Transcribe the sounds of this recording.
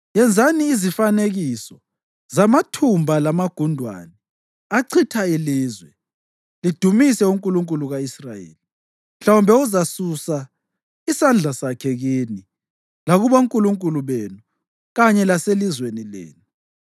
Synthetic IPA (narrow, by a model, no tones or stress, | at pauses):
jɛnd͡zʱaniːzifaneɣisɔ | zamatʰumbʱalamaɡ̥ʱundʱwa̰ːnɛ | aǀʰitʰailiːzwɛ | lid̥ʱumisɛuŋkʼuluŋkʼuluɣaisrajḛːli | m̩ɬawumbʱɛuzasusa | isand͡ɮʱasakʰɛɣini | laɣuβauŋkʼuluŋkʼuluβenu | ɣaɲɛlaselizwenilḛːnu